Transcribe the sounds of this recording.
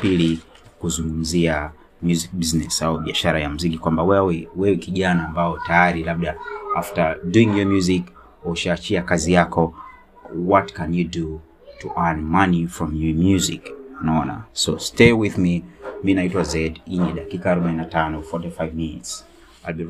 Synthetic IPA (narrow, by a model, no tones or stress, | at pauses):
pili | kuzuŋɡum̩zia | mjuzik̚biznɛsauɓiaʃaɾajam̩zikikwambawɛwɛwɛwɛkiʄanaːmbaɔtajaɾilab̚ɗaaftaduĩŋjɔmjuzik | ɔʃaːt͡ʃiakazijakɔ | wɔtkɛ̃njudu | tuʔanmanifɹɔmjumjuzḭknaɔna̰sɔstewiðmiminaitwazɛdiɲɛɗakikaːɾɔɓaininatanɔfɔtifajvminḭts | albi